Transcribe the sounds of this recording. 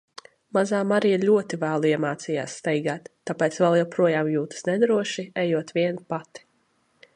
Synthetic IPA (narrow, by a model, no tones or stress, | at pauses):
mazaːmaɾijɾlʲuɔt̪ivæːlˠuiɛmaːt̪sija̰ːsːt̪ɛjɡaːt̪ːapʲɛːt̪svɛlˠjawpɾuɔjaːmjuːt̪ɨ̥snɛd̪ɾuɔʃiɛjuɔt̪ʋiɛnupat̪i̥